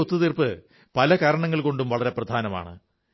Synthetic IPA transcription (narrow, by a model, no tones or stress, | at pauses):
ot̪ːuðirpɨ | pɐlɐkaːɾɐɳɐŋːɐɭko̞ɳɖumʋɐɭɐɾe̞prɐd̪ʱaːnɐma̰ːɳɨ̰